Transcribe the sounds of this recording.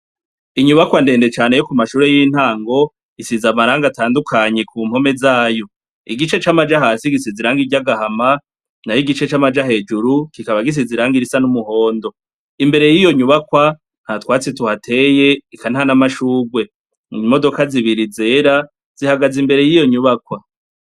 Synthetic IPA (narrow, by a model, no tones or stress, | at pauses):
iɲuβakwande̞ːnde̞t͡ʃaːne̞jokumaʃuːɾe̞jiːn̥haːŋɡo̞ | isizamaɾaːŋɡataːndukʰaɲe̞kuːm̥ho̞me̞zaːjo̞ | iɡit͡ʃe̞t͡ʃamad͡ʒaɦaːsiɡisiziɾaːŋɡiɟaɡahama | najiɡit͡ʃe̞t͡ʃamad͡ʒaɦe̞ːd͡ʒuɾukikaβaɡis̬iziɾaːŋɡiɾisanumuho̞ːndo̞ | imbe̞ɾe̞jijo̞ɲuβakwa | n̥hatwaːt͡situhatʰe̞ːje̞ikanhanamaʃuːɡwe̞ | imo̞do̞kaziβiɾize̞ɾa | z̥ihaɡazimbe̞ɾe̞jijo̞ɲuβakwa